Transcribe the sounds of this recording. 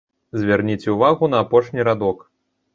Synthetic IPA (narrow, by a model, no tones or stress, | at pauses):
zʲvʲarnʲit͡sʲuvaɣun̪ɐːpɔʂnʲiɾad̪ɔk